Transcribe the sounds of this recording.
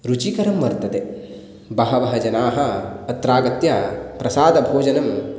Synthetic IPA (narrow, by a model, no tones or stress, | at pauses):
ɾut͡ʃikɐɾɐmʋɐɾt̪ɐt̪e | bɐɦɐʋɐɦɐd͡ʒɐnaːɦɐɐt̪ɾaːɡɐt̪jaːpɾɐsaːd̪ɐbʱoːd͡ʒɐnɐm